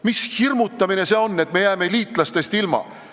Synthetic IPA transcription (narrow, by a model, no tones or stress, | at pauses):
mishirmut̪ːˑɑmine̞se̞o̞nːe̞t̪me̞jæːme̞liːt̪ˑlɑst̪e̞st̪ilmɑ̰